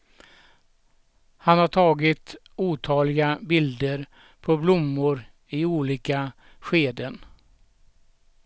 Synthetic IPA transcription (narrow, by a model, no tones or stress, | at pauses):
hanhaʈʰɑːɡɪt̪ | uːt̪ʰɑːlɪɡabɪld̪əɾ | pʰɔblʊmːʊɾ | ɪuːliːka | ɧeːd̪ən